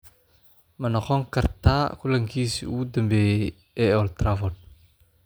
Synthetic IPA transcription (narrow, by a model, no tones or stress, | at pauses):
mɐnɔxɔŋkɐɾt̪aːkulaŋkiːsḭṵud̪ɐmbɛ | ɛɔlt̪ɾavɔd